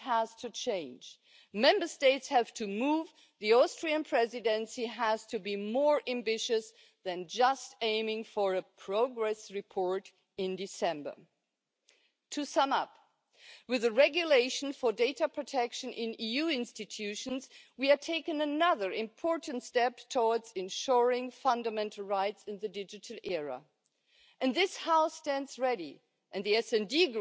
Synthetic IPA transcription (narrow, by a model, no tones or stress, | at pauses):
hæz̥tʰɨt͡ʃʰẽɪ̃nd͡ʒ | mɛ̃mbə˞steɪtshɨv̥tʰɨmuv | ðiɔstɹ̥iɨ̃npʰɹ̥ɛzɨdɨ̃nsiæz̥tʰɨbimɔɹʔæ̃mbɪʃɨs | ðɨ̃nd͡ʒʌstẽɪ̃mɪ̃ŋfə˞ɨpʰɹ̥oʊɡɹɛsɹɨpʰɔɹɾ | ɪ̃ndɨsɛ̃mbə̰˞ | tʰɨsʌ̃mʌp | wɨðɨɹɛɡjɨleɪʃn̩fə˞deɪɾɨpʰɹ̥ɨtʰɛkʃɨ̃nʔɪ̃nijʉɪ̃nstɨtʰʉʃɨ̃nzwiə˞tʰeɪkɨ̃nɨnʌðə˞ɪ̃mpʰɔɹʔn̩tstɛptʰɔdzɨ̃nʃɔɹɪ̃ŋfʌ̃ndəmɛ̃ntʰˡl̩ˠɹaɪtsɨ̃nðɨdɪd͡ʒɨɾl̩ˠɛɹə̰ | ʔɨ̃nðɪshaʊstæ̃ndz̥ɹɛɾḭ | ʔɨ̃nðiɛsɛ̃ndiɡ